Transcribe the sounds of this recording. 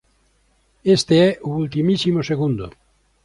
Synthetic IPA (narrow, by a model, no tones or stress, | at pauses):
est̪eɛʔuult̪imisimoseɣund̪ʊ̰